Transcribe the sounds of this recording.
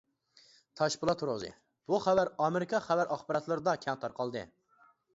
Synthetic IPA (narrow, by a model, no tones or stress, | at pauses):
t̪ʰɑʃpulˠɑt̪ʰuɾozɨ̰ | b̥uχævæɾɑmeɾɪkʰɑχævæɾʔɑχbɑɾɑt̪lˠɨɾɨd̪ɑkʲʰɛŋt̪ʰɑɾqʰɑlˠd̪ɨ̰